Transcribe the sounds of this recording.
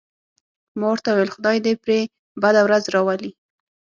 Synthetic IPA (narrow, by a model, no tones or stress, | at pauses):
mowɾt̪awajelxʊd̪ɑjd̪epɾe | bad̪awɾazɾɑwali